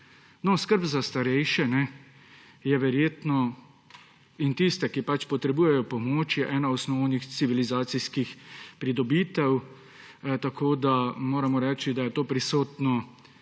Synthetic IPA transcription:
nɔskəɾbzast̪aɾɛjʃɛnɛ | jɛʋɛɾjeːt̪nɔ | int̪ist̪ɛkipat͡ʃpɔt̪ɾɛbuːjɛjɔpɔmoːt͡ʃjɛʔɛːnaɔsnɔwnixt̪siʋilizaːt̪siskixpɾid̪ɔbit̪ɛw | t̪akʰoːd̪amoːɾamɔɾɛːt͡ʃid̪ajɛt̪oːpɾisoːt̪nɔ

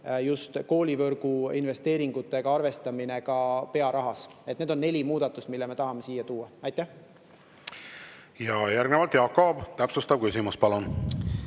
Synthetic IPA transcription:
just̪ko̞ːlʲivɤrɡ̥uinve̞st̪e̞ːɾiŋɡ̥ut̪ːˑe̞ɡ̥ɑɑrve̞st̪ɑmine̞ɡ̥ɑpe̞ɑɾɑɦɑset̪neːd̪o̞nːe̞lʲimuːd̪̥ɑt̪ːˑust̪milːeme̞t̪ɑɦɑme̞siːjɑt̪uːɑɑjt̪ːˑæh | jɑjæɾɡnevɑlt̪jɑːkːob̥t̪æpsust̪ɑb̥̚kysimuspɑlun

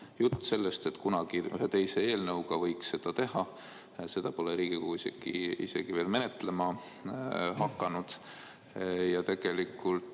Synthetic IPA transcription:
jut̪ːˑse̞lːe̞st̪e̞t̪ːkunɑɡ̥iy̰ɦet̪e̞jse̞eːlnɤwɡɑvɤ̞jksːe̞d̪̥ɑt̪e̞ɦɑ | se̞d̪̥ɑpo̞leɾiːɡ̥ikuuisḛɡ̥ḭḭse̞ɡ̥ive̞ːlme̞net̪ˑle̞mɑ | hɑkˑːɑnud̪̥ | jɑt̪e̞ɡ̥e̞likːˑult̪

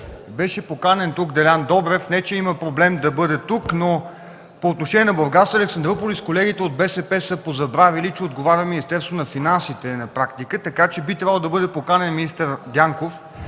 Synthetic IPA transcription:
bɛʃɛpokanɛnt̪ukd̪ɛlʲand̪ɔbɾɛfnɛt͡ʃɛiməpɾoblɛmd̪ɐbɤd̪ɛt̪ukno | poːt̪noʃɛniɛnɐblˠoɾɡat̪st̪vəɐlɛksɐnd̪ɾopoliskolɛɡ̟it̪ɛod̪̚bɛsɛpɛsəpozɐbɾavilit͡ʃɛod̪̚ɡovaɾʲɐminist̪ɛɾst̪vonɐfinansit̪ɛnɐpɾakt̪ikət̪ɐkat͡ʃɛbit̪ɾʲabəlˠd̪ɐbɤd̪ɛpokanɛnminist̪əɾd̪jaŋkof

